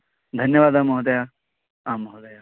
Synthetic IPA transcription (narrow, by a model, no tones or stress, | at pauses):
d̪ʱɐnjɐʋaːd̪amɐɦɐd̪ɐja | amɐɦud̪ɐja